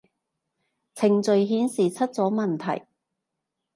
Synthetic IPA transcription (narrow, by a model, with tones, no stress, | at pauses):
t͡sʰɪ˨˩ŋt͡sɵ˨˧ɥɦiː˨˥nsiː˨t͡sʰɐ˥t̚t͡sɔː˨˥mɐ˨nt̪ʰɐ̰˨˩j